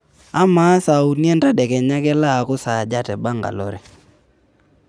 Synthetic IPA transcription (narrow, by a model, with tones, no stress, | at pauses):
a˦ma˨˦sa˨u˨n˦ɛ˦nta˦ɗɛ˨kɛ˨ɲa˦kɛ˦la˦˨kʊ˦sa˨d͡ʒa˦tɛ˨ba˦ŋɡa̰˨lɔ˦ɾɛ˨